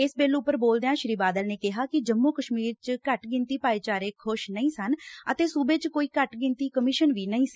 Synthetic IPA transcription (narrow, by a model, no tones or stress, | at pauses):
ɪsbeːlʊpːəɾboːld̪eːãːʃɾiːbaːd̪əlneːkɪɦaːkɪd͡ʒəmːoːkəʃmiːɾt͡ʃkəʈɡɪnt̪iːpaːiːt͡ʃaːɾeːkʰʊʃnəĩːsənət̪eːsuːbeːt͡ʃkoːiːkəʈɡɪ̃nt̪iːkəmɪːʃənʋiːnəĩːsː